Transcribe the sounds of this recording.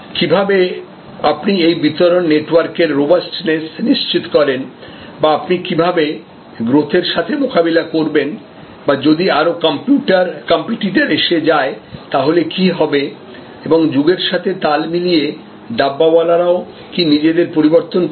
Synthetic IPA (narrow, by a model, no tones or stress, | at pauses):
kibʱabe | apniejbit̪oɾonːeʈwaɾkeɾːobasʈnesniʃt͡ɕit̪kɔɾen | baapnikibʱabe | ɡɾot̪ʰeɾʃat̪ʰemokabilakoɾben | bad͡ʑod̪iaɾokɔmpuʈaɾkɔmpiʈiʈeɾeʃed͡ʑaet̪aɦolekiɦɔbe | eboŋd͡ʑuɡeɾʃat̪ʰet̪almilije | ɖabːabalaɾao | kinid͡ʑed̪eɾpoɾiboɾt̪on